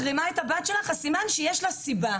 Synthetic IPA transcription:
ʁimaethabat̪ʃelaχasimanʃejeʃlosiba

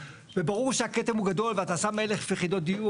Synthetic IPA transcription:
vebaʁuʁʃeaket̪emhuɡad̪o̞lveat̪asame̞le̞χfiχid̪ot̪̚d̪iu

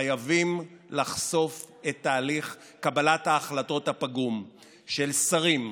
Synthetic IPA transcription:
ajavimlaχso̞f | et̪ːaːliχ | kabalathaːχlato̞thapaɡum | ʃelsaʁim

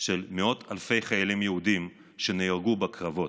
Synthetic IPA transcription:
ʃelmeo̞tʰalfe̞jχajalimjeudim | ʃeneiʁɡubakʁavo̞t

